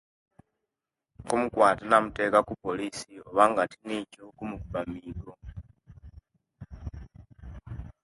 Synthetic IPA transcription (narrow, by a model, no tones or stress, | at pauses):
komukwaːtanamute̞ːkakupoliːsioβaŋɡatinicokumukubamiːlo